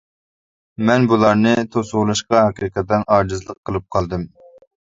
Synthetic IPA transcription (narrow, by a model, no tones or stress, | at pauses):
mɛnbulˠɑɾnɨt̪ʰosʊʁʊlˠɨʃqɑɦɛqiqʰət̪d̪ɛnɑɾd͡ʒɨzlˠəqʰːəlˠɨp̚qʰɑlˠd̪ɨm